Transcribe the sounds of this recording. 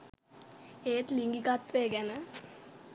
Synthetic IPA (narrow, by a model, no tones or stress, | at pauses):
eːt̪liŋɡikat̪ʋeːɡænə